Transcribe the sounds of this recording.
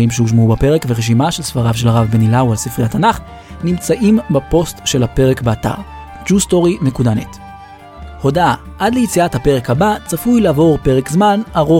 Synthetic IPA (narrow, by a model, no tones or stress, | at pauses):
imʃehuʃ̬mubape̞ʁekveʁeʃ̬imaʃelsfaʁavʃ̬e̞lhaʁavbenilawalsifʁiatanaχ | nimt͡saʔimbapo̞stʃelape̞ʁekbeata̰ʁ | d͡ʒusto̞ʁinekudanet | ho̞daʔadlejit͡siathapeʁe̞khabat͡safujlaːvo̞ʁpe̞ʁekzmanaʁo